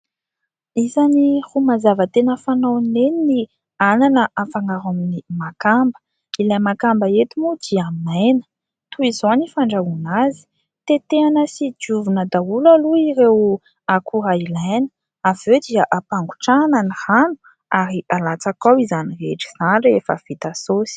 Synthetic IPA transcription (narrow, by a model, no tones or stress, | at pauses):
izanihumazavət̪enəfanonenini | ananəʔafaŋaɾaminimakambə̥ | ilajmakambəet̪imud̪̥iamajnə̥ | t̪uizonifaɳɖ͡ʐaunazi̥ | t̪et̪eanəsid͡ʒuvunəd̪aulaluiɾew | akʰuɾailajnə̥ | aved̪iaʔapaŋɡu̥ʈ͡ʂananihanu̥ | aɾialat͡sakawizanireʈ͡ʂi̥z̥anɖ͡ʐefəv̥it̪asosi̥